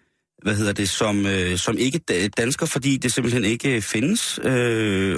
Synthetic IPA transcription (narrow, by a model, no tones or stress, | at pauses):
ʋæɦe̝ð̞̰ˠɐd̥e̝sɒ̽møsɒ̽me̝ɡ̥əd̥d̥ænsɡ̥ɐfɒ̽d̥ḭːd̥e̝se̝mb̥l̩hene̝ɡ̥əfe̝nəsø